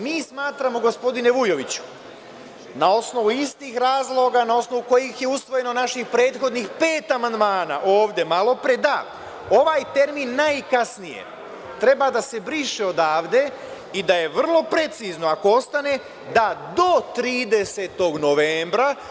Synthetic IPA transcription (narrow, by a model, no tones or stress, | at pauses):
miːsmaːt̪ɾamo̞ɡo̞spo̞d̪ine̞ʋujo̞ʋit͡ɕu̥ | nao̞sno̞ʋuist̪iːxɾaːzlˠo̞ɡanao̞sno̞ʋuko̞jixje̞usʋo̞je̞no̞naʃixpɾe̞ːd̪xo̞d̪nixpe̞ːt̪amand̪maːna̰ʔoːʋd̪e̞malo̞pɾed̪a | o̞ʋaːjt̪e̞ɾmiːnːajkasnijḛ | t̪ɾe̞bad̪ase̞bɾiʃeo̞d̪aːʋd̪e̞ | id̪aje̞ʋr̩lˠo̞pɾe̞t̪sizno̞ako̞o̞st̪ane̞ | d̪ad̪o̞t̪ɾiːd̪e̞se̞t̪o̞ɡno̞ʋeːmbɾa